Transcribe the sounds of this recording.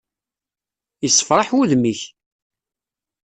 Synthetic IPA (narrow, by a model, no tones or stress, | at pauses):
jəsːə̥fɾˤɑħwuðmiç